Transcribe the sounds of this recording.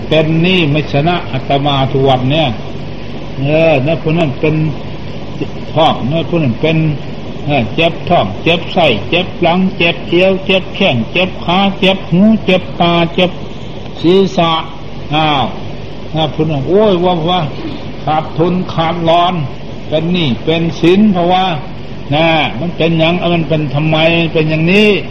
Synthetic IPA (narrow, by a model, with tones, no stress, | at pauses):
pe˧nːiː˧˩˨ma˧˩sa˧na˧ʔʔa˧t̪a˧maː˧t̪ʰu˧wa˧tni˧ɐ˨ | ʔəː˧na˧˥˨pʰuː˧˨na˧˨npe˧n | t̪ʰɔː˧˩ŋna˧˥˨pʰu˧na˧˨npe˧n | ʔa˧˩t͡ɕe˧˦p̚t̪ʰɔː˧˩ŋt͡ɕe˧˦p̚sa˧˩jt͡ɕe˧˦p̚la˧˥ŋt͡ɕe˧˦p̚ʔi˧ə˧wt͡ɕe˧˦p̚kʰɛ˧˩˨ŋt͡ɕe˧˦p̚kʰaː˧˥˦t͡ɕe˧p̚hũː˧˦˥t͡ɕe˧˦p̚t̪aː˧t͡ɕe˧˦p̚ | siː˨˦sa˧ʔ | ʔaː˧˩w | na˧˩pʰu˧˨na˧˩˨ʔoː˧˩˨waː˧pʰɔ˧waː˧ | kʰaː˧˩t̚t̪ʰːo˧˥˨nkʰaː˧˩t̪̚lɔː˧n | p̪ɛ˧nːiː˧˩pe˧nsi˧˦npʰɔ˧waː˧ | na˧ma˧˥˨npe˧nɲa˧ŋʔa˧ma˧˥˨npe˧nt̪ʰa˧mːa˧jma˧˥˨npe˧nja˧ŋniː˧˥˨